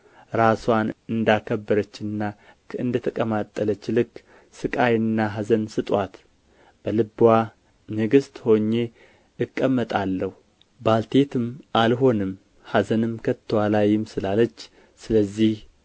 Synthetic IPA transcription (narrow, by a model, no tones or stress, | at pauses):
ɾaswanɨnd̪akʰəbːəɾət͡ʃːɨnːa | ɨnd̪ət̪ʰəkʼəmat̪ʼːələt͡ʃːlɨkː | sɨkʼajɨnːaɦazənsɨt̪ʼwat̪ | b̥əlɨbwa | nɨɡɨst̪ho̞ɲːe̞ | ɨkʼːəmːət̪ʼalːəhu | balt̪ʰe̞t̪ʰɨmʔalɦo̞nɨm | hazənɨmkʰət̪ʰːəwalajɪmsɨlalət͡ʃː | sɨləzːih